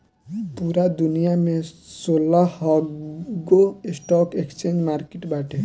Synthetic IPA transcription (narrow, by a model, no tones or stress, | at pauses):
puɾad̪unijamesolahɔɡoesʈɔkekst͡ʃend͡ʒmaɾkeʈbaʈʰe